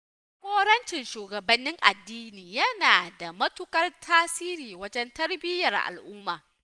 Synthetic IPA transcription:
hʷoː˦ɾɐ˦nt͡ʃɪ˨nʃuː˨ɡɐ˨bɐ˨nːɪ˦ŋʔa̰˨dːiː˦niː˨jɐ˦naː˨da˨mɐ˦tʊ˦kɐ˦rtʰaː˦siː˦ɾiː˨wɐ˦d͡ʒɛ˦ntɐ˦rbɪ˦jɐ˨rʔa̰˨lʔʊ˦mːaː˨

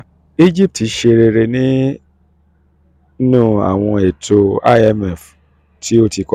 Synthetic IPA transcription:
i˦d͡ʒi˦p̚ti˨˧˦ʃe˧ɾe˧ɾe˧nĩ˦ | nũː˦˨a̰˨w̃ɔ̃˧e˨tʰo˧a̰˦ɛ˦˨mɛ˨f | tʰi˦o˦ti˧kɔ˧

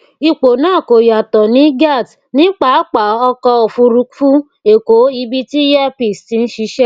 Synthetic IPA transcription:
i˧k͡po˨nãː˦˨ko˨ja˨tɔ˨nĩ˨˦ɡa˦˨t | nĩ˦k͡pa˨˦a˦k͡pa˨ɔ˧kɔ˧o˨fu˧ɾu˧kfu˦ | e˨ko˨˦i˧bi˦ti˦jɛ˦pi˨sti˧n̩˦ʃi˧˦ʃɛ˦

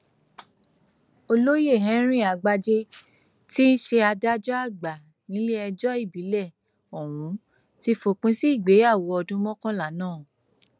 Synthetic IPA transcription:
o˧lo˦je˦˨ɦɛ̃˨˦ɾ̃ĩ˦˨a˨˧ɡ͡ba˧d͡ʒe˧ | ti˦n̩˦ʃe˧a˧da˦d͡ʒɔ˦a˦˨ɡ͡ba˨ | nĩ˨˦le˦ɛ˧d͡ʒɔ˦i˦˨bi˨˦lɛ˦˨ | ɔ˨w̃ũ˨˦ | ti˦fo˧k͡pĩ˦si˦i˦˨ɡ͡be˨˦a˦˨wɔ˧˦ɔ˧dũ˦mɔ̃˦kɔ̃˦la˦˨nãː˦˨

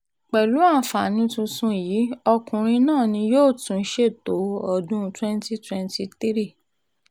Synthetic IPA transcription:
k͡pɛ˨lu˨˦ã˦˨fa˨nĩ˧tũ˧sũ˧jiː˨˦ɔ˧kũ˨ɾ̃ĩ˧nãː˦˨nĩ˧joː˦˨tũ˨n̩˦ʃe˦˨to˨˦ɔ˦˨dũ˦twɛ˦n˦ti˦twɛ˧nti˧t̪i˦ɾi˦˨

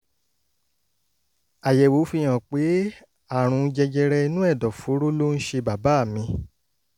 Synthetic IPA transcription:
a˨jɛ˨wo˨˦fi˦˧j̃ã˨k͡pe˨˦ | a˦˨ɾ̃ũ˨˧d͡ʒɛ˧d͡ʒɛ˧ɾɛ˧i˧nũ˦ɛ˦˨dɔ˨fo˨˦ɾo˦lo˦ñ̩˦ʃe˧ba˨ba˨˦˨mĩ˧

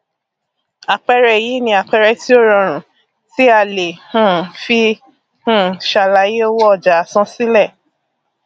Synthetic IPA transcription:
a˨k͡pɛ˧ɾɛ˦˨ji˨˦nĩ˧a˨k͡pɛ˧ɾɛ˧ti˦o˦ɾɔ̃˧ɾ̃ũ˨ | ti˦a˧˨le˨hũ˦˨fi˧ | hũ˦˨ʃa˨la˨˦je˦o˦wɔ˦ɔ˦˨d͡ʒa˨sɔ̃˦si˦lɛ˦˨

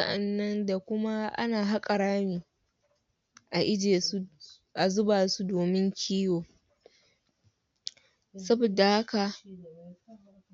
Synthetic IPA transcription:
a˦ʔa˨nːɐ˦nda˨kʷʊ˦ma˦ʔa̰˦naː˨ɦa˦kʼɐ˨ɾaː˦miː˨ | ʔa˨ʔɪ˦d͡ʒeː˨˦ | ʔa˨zʊ˦baː˨su˦doː˨mɪ˦ŋkʲʰiː˦joː˨ | sɐ˦bo˨da˨ha˦ka˨

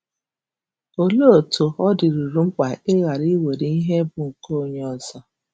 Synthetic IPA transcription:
o˨lo˦o˨to˨ɔ˦dɪ˨ɾu˨ɾu˦ŋ͡m̩˦k͡pa˨e˦ɣa˨ɾi˦we˨ɾi˦i˦ɦe˦bʊ˨ŋ̩˨ko˦ɲ˦ɔ˦za˦

